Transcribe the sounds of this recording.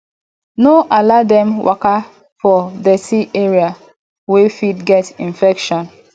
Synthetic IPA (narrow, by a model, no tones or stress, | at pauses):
noʔaladɛ̃mwʔa̰ka | fɔdɛsiʔeɹia | wefidɡɛtĩnfɛkʃɔ̃n